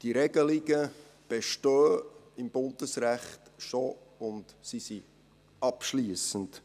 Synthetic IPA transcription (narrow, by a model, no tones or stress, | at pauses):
d̥iɾɛɡ̥əliɡ̥ə | b̥eʃtøːɪmb̥ʊnd̥əsræχtʃoʊntsisi | ʔɑpʃliːəsən̩t